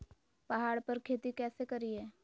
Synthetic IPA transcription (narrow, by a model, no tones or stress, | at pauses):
pɐɦaːɽpɐɾkʰeːt̪ikɛːsekɐɾiɦɛː